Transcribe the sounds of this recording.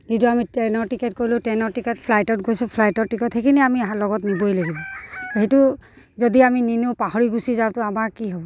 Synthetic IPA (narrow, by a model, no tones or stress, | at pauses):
zituamitɛnɔɹtikɛt̚kojlʊ̃tɛnɔɹtikɛtpʰlajtɔt̚ɡojsʊ̃pʰlajtɔtikɔthejkʰiniamiaɦãlɔɡɔtnibojlaɡibɔɦetʊ | zɔdiamininopahɔɹiɡusizãtʊamaɹkiɦɔbɔ